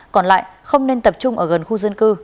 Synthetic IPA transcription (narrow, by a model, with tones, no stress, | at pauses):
kɔ˨˩nla̰ː˧˨jxə˧wŋ͡mne˧nt̪ə˨˩p̚t͡ɕʊ˧ŋ͡mʔəː˧˩ɣə˨˩nxu˧zə˧nkɨ˧